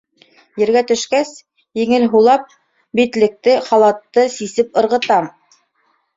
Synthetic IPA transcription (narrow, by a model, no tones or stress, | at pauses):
jɘ̆ɾɡæt̪ɵ̆ʃkæs | jɘ̆ŋɘlɦulˠɑp̚ | bit̪lɘ̆k̚t̪ɘχɑlˠɑt̪ːɤsisɘp̚ɤ̆ɾʁɤ̆t̪ɑm